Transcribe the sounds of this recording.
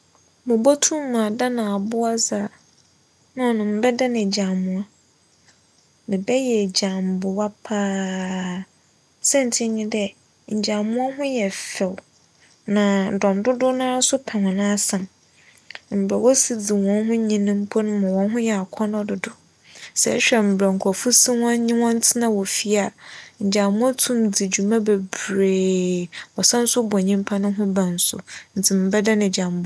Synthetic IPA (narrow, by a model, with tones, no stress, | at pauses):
mʊ̃˨bo˦tʰũ˦m˦mã˨da˦nã˨a˨bʊ˦a˦zaː˨ | nã˦˨nʊ̃˨m̩˦bɛ˦da˦nɛ̃˨d͡ʑã˨mʊ̃˦˨a˦ | nɪ̃˨bɛ˦jɛ˨d͡ʑã˨m˨bʊ˨wa˦pʰaː˦ | sɛ̃˦n˨tʰɪ˦ɲĩ˦dɛ˦ | ɲ̩˨d͡ʑa˨mʊ̃˦a˦ɦʊ̃˦jɛ˨fɛ˨w | nã˨dɔ̃˨ndʊ˦dʊ˦nã˦sʊ˦pʰa˨mã˨nã˦sã˨m | m̩˨bɾa˨wɔ˦si˦d͡zi˨wɔ̃˦nɦʊ̃˦ɲĩ˦nɪ̃˦m̩˦pʰɔ˦nʊ̃˦mã˨wɔ̃˨nɦʊ̃˦jɛ˨a˨kʰɔ˦nɔ̃˦dʊ˨dʊ˨ | sɛ̰˨ɛ̰˦ɕᶣɛ˨m̩˨bɾɛ˨ŋ̩˨kʰɔ˨fu˦sĩ˦wɔ̃˦ɲĩ˦wɔ̃˦n̩˦tʰɪ˦nã˨wɔ˨fi˦a˨ɲ̩˨d͡ʑa˨mʊ̃˦ɔ˦tʰũ˦md͡zi˨d͡ʑu˨mã˦be˨bɾeː˨wɔ˨sã˦n̩˦sʊ˦bɔ˨ɲĩ˦m˦pʰa˦nʊ̃˦ɦʊ̃˦bã˨n̩˨sʊ̰˨n̩˨tʰɪ˨m̩˨bɛ˦da˦nɪ̃˨d͡ʑa˨m˦bʊ˦